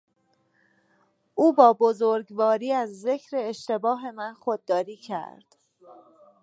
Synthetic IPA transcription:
ʔuːbɒːbozoɾɡvɒːɾiːæzːe̞cʰɾe̞ːʃt̪e̞bɒːɦe̞mænxod̪̚ːɒːɾiːcʰæ̰ɾd̪̥

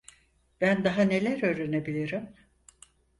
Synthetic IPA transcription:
b̥ænd̪aɦane̞lʲæɾøːɾenebilʲiɾim

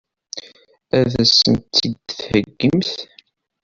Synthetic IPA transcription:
æðæsːənt̪ːid̪θhəɡːəmθ

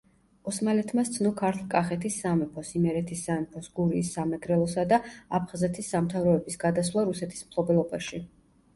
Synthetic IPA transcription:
ɔsmalɛt̪ʰmast̪sʰnɔkʰaɾt̪ʰlˠkʼaχɛt̪ʰisːamɛpʰɔsimɛɾɛt̪ʰisːamɛpʰɔsɡuɾiːsːamɛɡɾɛlˠɔsad̪aap̚ʰχazɛt̪ʰisːamt̪ʰavɾɔɛbisɡad̪aswlˠaɾusɛt̪ʰi̥smkʰlˠɔbɛlˠɔbaʃi

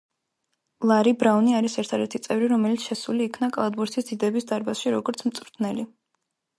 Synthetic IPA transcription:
lˠaɾibɾavniaɾisɛɾt̪ʰad̪ɛɾt̪ʰit̪sʼɛvɾiɾɔmɛlit̪sʰʃɛsuliːkʰnakʼalˠad̪̚buɾt̪ʰisd̪̥id̪ɛbisd̪aɾbasʃiɾɔɡɔɾt̪sʰmt̪sʼvɾt̪ʰnɛli

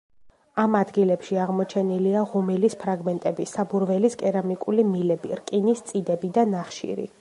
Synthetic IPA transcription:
amad̪ɡilɛpʃiaʁmɔt͡ʃʰɛniliaʁɔmilispʰɾaɡmɛnt̪ʼɛbisabuɾvɛliskʼɛɾamikʼulimilɛbḭɾkʼinist̪sʼid̪ɛbid̪anaχʃḭɾḭ

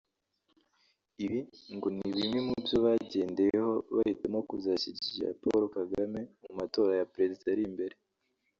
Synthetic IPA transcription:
iβiŋɡoniβimemubjoβaɟe̞ːnde̞jeho̞βahitemo̞kuzaciɟiiʒḛa̰poɾokaɡame̞mumato̞ːɾajapɾe̞zizaɾimbe̞ɾe

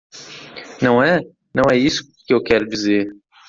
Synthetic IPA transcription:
nɐ̃w̃ɛ | nɐ̃w̃ɛisʊ̥ | kɪewkɛɾʊd͡ʒizeɾ

